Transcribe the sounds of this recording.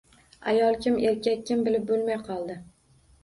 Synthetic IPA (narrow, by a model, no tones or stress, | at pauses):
a̰jɒlˠkʲʰɪme̞ɾkʲakʲːɪmbɪlɪp̚bolˠmajqʰɒlˠd̪ɪ